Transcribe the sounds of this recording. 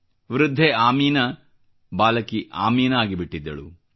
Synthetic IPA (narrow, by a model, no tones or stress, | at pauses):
ʋɾud̪ʱːeaːmiːnɐ | baːlɐkiʔaːmiːnɐaːɡibiʈːid̪ːɐɭṵ